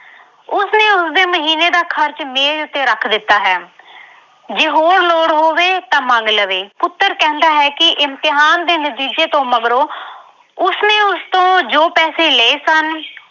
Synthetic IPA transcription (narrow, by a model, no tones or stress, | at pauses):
ʊsnẽːʊsd̪eːməɦiːneːd̪aːkʰəɾt͡ʃmeːlʊt̪ːeːɾəkʰd̪ɪt̪ːaːɦɛː | d͡ʒeːɦoːɾloːɽɦoːʋeːt̪ãːmãŋɡləʋeːpʊt̪ːəɾkɛ̃ːnd̪aːɦɛːkɪʔɪmt̪ɪɦaːnd̪eːnət̪iːd͡ʒeːt̪õːməɡɾoː | ʊsnẽːʊst̪õːd͡ʒoːpɛːseːleeːsən